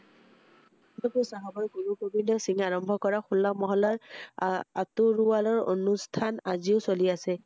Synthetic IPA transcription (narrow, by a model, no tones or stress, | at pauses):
ndɔpusaɦabɔjɡuɹukobinɔsiŋaɹɔmbʱɔkɔɹaxulːamɔɦɔlaɹ | atuɹualɔɹo̰nustʰanaziʊsoliasɛ